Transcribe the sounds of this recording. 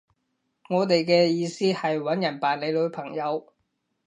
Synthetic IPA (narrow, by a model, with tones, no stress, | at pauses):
ŋɔː˨˧t̪e˨jkɛː˧jiː˧siː˥hɐ˨jwɐ˨˥njɐ˨˩npaː˨nle˨˧lɵ˨˧ɥpʰɐ˨˩ŋjɐ˨˧w